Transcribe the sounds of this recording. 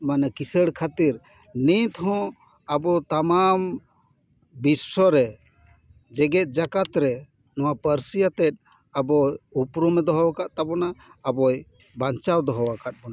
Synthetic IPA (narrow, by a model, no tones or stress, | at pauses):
manakisəɽkʰat̪iɾ | nit̪hɔ̃ | abɔt̪amam | bisːɔɾɛ | d͡ʒɛɡɛt̪̚ˀd͡ʒakat̪ɾɛ | nɔwapəɾsijat̪ɛt̪̚ | abɔjupɾumɛd̪ɔɦɔwakaʔt̪abɔnaːbɔj | baɲt͡ʃawd̪ɔɦɔwakat̪̚bɔna